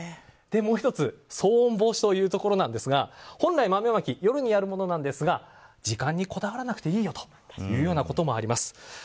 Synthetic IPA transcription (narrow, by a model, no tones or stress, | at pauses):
d̪̥e̞mo̞ːçit̪o̞t͡sɨso̞ːõmbo̞ːɕi̥t̪o̞jɯ̟ːt̪o̞ko̞ɾo̞nãnd̪e̞sɨɡahõ̞nɾaimame̞βakʲijo̞ɾɯ̟ɲ̟ijaɾɯ̟mo̞no̞nãnd̪e̞sɨɡad͡ʑikãɲ̟ːiko̞d̪aβaɾanakɯ̟̥t̪e̞iːjo̞t̪o̥ | jɯ̟ːjo̞ːnako̞t̪o̞mo̞aɾʲimasɨ̥